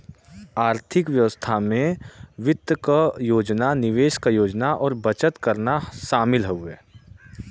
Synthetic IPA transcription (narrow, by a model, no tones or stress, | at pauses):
aːɾt̪ʰɪkʋjəʋəst̪ʰamẽʋɪt̪əkəjoːd͡ʒnanɪʋeːʃkajoːd͡ʒnaʔɔːɾbɐt͡ʃət̪kɐɾnaʃaːmɪlɦɛʊɛ̰ː